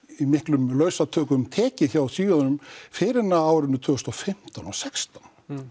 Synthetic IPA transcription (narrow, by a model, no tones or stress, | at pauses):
imɪhklʏmlœːɥsat̪ʰœːkʏmt̪ʰɛːcɪθjawθiːanʏmfɪɾɪnaaːwɾɪnːʏt̪ʰʏːɣʏst̪ɔfɪm̥t̪awnɔsɛkst̪an